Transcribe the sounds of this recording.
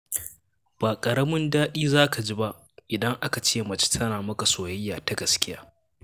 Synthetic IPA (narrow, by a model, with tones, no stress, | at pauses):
b̥aː˨kʼɐ˨ɾɐ˦mɪ˦ndaː˦ɗiː˦zaː˦ka˨d͡ʒi˦ba˦ʔ | ʔɪ˨dɐ˦ŋʔa˦ka˨t͡ʃeː˦mɐ˨t͡ʃɪ̥˦tʰɐ˦naː˨mɐ˦ka˨soː˨jɐ˦jːaː˨ta˦ɡɐ˨skʲɪ˦jaː˦